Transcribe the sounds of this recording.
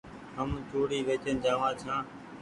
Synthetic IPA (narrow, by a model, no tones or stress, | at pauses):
ɦəmt͡ʃoːɽiːʋeːt͡ʃənd͡ʒaːʋãːt͡ʃʰãː